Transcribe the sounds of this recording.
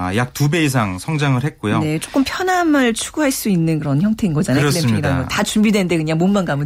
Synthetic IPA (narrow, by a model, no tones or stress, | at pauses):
a̰jak̚tube̞is̬ʰaŋsʰʌŋd͡ʑaŋɯɭhe̞t̚k͈ojone̞t͡ɕ͈ok͈ɯmpʰjʌnamɯɭt͡ɕʰuɡ̥uɦaɭs͈uinːɯnkɯɾʌnçjʌŋtʰe̞inɡʌd͡ʑanaasleiŋidaɡʌtat͡ɕumbidweɯnde̞kɯɲaŋmonmanɡamɯ